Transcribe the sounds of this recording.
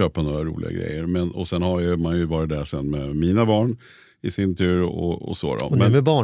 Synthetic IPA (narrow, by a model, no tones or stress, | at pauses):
øːpanoːɾaɾṵːlɪ̰ɡa̰ɡɾɛ̰jːəɾmɛnɔsɛnhaɾjmanjɵvɑːɾɪt̪̚d̪æʂɛnːmɛmiːnabɑːɳ | ɪsɪnt̪ʰʉ̟ːɾɔ̰ɔ̰so̰ːd̪ɔ̰dmɛmɛbɑː